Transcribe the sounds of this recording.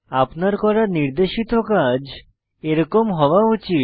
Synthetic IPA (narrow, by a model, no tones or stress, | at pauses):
apnaɾkɔɾaɾniɾd̪eʃit̪okad͡ʑ | eɾɔkomɦɔwaut͡ɕit̪